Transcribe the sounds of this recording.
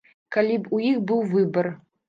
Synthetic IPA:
kalʲipujixbɨwvɨbɐr

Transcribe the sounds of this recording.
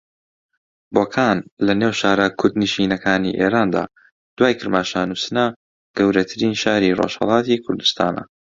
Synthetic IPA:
boːkʰaːnlɐnewʃaːɾɐkʰʊɾd̪niʃiːnɐkʰaːniʔeːɾaːnd̪a̰ː | d̪̥waːjkʰɨɾmaːʃaːnusɨna | ɡ̥ɐwɾɐt̪ʰɨɾiːnʃaːɾiro̰ʃhɐ̰lˠɑːt̪ikʰʊɾd̪u̥st̪ʰa̰ːnɐ̰

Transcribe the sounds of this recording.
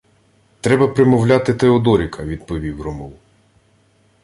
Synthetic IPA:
t̪ɾɛbɐpɾɪmɔwlʲat̪ɪt̪eɔd̪ɔɾʲikʰɐʋʲid̪pɔʋʲiwrɔmɔlˠ

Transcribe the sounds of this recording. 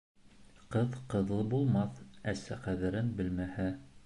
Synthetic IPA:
qɤðqɤ̆ðlˠɤbulˠmɑθæsæ̰qæðɘ̆ɾɘnbɘlmæhæ

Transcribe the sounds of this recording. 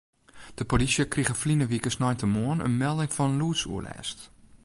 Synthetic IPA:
d̥əpolisjəkriɣəflinəʋikəsnɔjntəmoənə̰nmɛlˠdɪŋfɔnluːsṵəlɛ̰ːst

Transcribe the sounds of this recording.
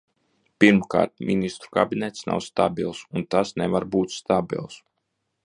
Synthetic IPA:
piɾmka̰ːɾt̪̚mʲinist̪ɾu̥kabinɛt̪sna̰wst̪a̰bilˠsunt̪asnɛvaɾbuːt̪ʲst̪abḭlˠs

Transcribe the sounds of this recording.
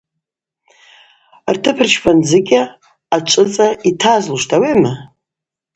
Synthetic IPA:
rtʰɨpʰɨrʃʰpʰand͡zɨkʲʼɪ | aʈ͡ʂʷʼɨt͡sʼaitʰazluʂtʰawemɨ

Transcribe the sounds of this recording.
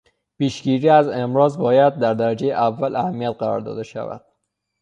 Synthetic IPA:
piːʃɡiːɾiːæzemɾɒːzbɒːjæd̪̚ːæɾd̪æɾæd͡ʒejeʔævːælʔæhæmːijæt̪̚ɢæɾɒ̰ːɾd̪ɒ̰ːd̪e̞ʃæ̰væ̰d̪̥̚

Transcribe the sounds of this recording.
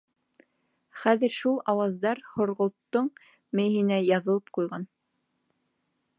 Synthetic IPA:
χæðɘ̆ɾʃulˠɑwɑzd̪ɑɾhŏɾʁŏlˠt̪ːoɴ | mɘ̆jɦɘ̆næjɑðɤ̆lˠɤp̚qujʁɑn

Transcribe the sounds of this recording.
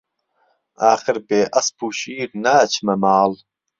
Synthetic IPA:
aːxɪɾbeːʔɐspuːʃiːɾnaːt͡ʃʰmɐmaːl

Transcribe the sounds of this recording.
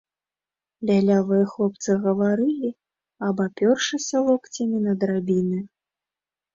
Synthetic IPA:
vʲalʲavɨjɐxlˠɔp̚t̪sɨɣɐvaɾɨlʲi | ɐbapʲɔrʂɨsʲɐlˠɔkt͡sʲɐmʲinɐd̪ɾabʲinɨ

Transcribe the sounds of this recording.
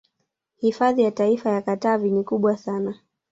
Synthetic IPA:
hifaðijataifajakatavinikuɓwasana

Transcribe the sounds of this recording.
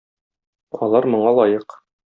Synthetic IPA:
ɒ̰lˠɑɾmŏɴɑlˠɒjɤq

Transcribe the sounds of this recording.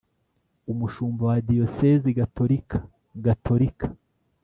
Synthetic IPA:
umuʃuːmbowadijose̞ziɡatoɾikʰḁ | ɡatʰoɾikʰḁ

